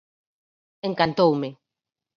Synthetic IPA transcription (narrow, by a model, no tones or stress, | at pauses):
eŋkant̪owmɪ